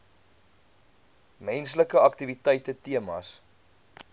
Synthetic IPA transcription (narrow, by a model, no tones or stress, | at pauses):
mɛnsləkəɐktivitɛjtətiəmɐ̰s